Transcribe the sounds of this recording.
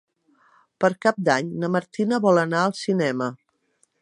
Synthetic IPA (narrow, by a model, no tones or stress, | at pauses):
pəɾkap̚d̪aɲnəməɾt̪inəβɔlənaəlˠsinɛmə